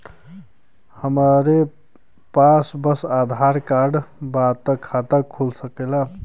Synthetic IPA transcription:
həmaɾe | pasbəsad̪ʱaɾkaɖbat̪əkʰːat̪əkʰulsəkela

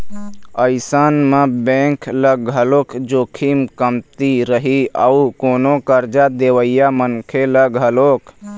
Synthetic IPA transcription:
əɪsaːnmə̃bẽŋkʰləɡɦəloːkʰd͡ʒoːkʰimkəmt̪iɾəɦiəukoːnokəɾd͡ʒad̪eːʋəɪjamənkʰeləɡɦəloːkʰ

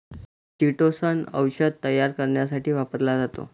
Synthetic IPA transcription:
tiʈosənə̰wɕəd̪̚t̪ːəjːaɾkəɾɳjasaʈiːʋapəɾlad͡zat̪o̰

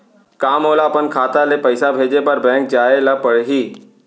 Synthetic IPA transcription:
kaːmoːlapənkʰaːt̪alepəɪsabʱeːd͡ʒepəɾbɛ̃ːŋk̚d͡ʒaːelapəɽɦiː

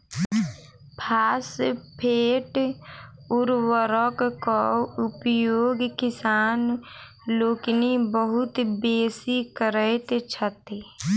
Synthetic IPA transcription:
pʰaːspʰeːʈ | ʊɾwəɾɔkkɔʊpjoːɡkɪsaːn | loːknibəɦʊt̪beːsikəɾəjt̪et͡ʃʰət̪e

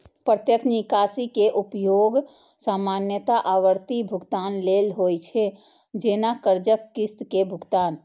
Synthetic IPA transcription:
pɾət̪jəkʰnikaːsikeʔupjoːɡ | saːmaːnjət̪aʔaːʋəɾt̪ibʱʊɡt̪aːnleːlɦojt͡ʃʰe | d͡ʒeːnakəɾd͡ʒəkːɪst̪kebʱʊɡt̪aːn

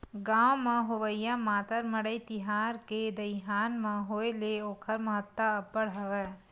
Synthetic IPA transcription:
ɡãːwmãɦoʋəjamaːt̪əɾmɐɽəit̪ɪɦaːɾked̪ɐɪɦaːnmãɦoːeleoːkʰəɾmɐɦət̪ːaɐpːəɽɦɐʋɛː

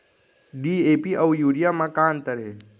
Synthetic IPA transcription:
ɖiepiʔəwjuːɽijamãkant̪əɾe

